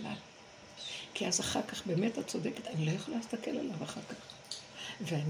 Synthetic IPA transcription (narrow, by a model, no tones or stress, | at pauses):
la̰l | kiazaχaʁkaχbe̞ːmethatt͡so̞deketanilojaχolalhist̪ake̞la̰lavaχaʁkaχ | vean